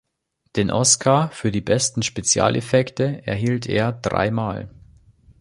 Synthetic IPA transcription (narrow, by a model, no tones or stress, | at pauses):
d̥eːnʔɔ̰skʰaːfyːɐdiːbɛstn̩ʃpet͡sja̰ːlʔḛfɛktəɛ̰ɐɦiːltʰḛːɐd̥ʁa̰ɪmaːl